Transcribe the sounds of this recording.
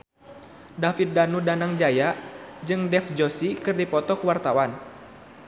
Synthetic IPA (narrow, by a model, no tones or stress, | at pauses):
dafit̪̚danudanaŋd͡ʒajad͡ʒɨŋdɛfd͡ʒosikɨrdipɔt̪ɔkəwart̪awan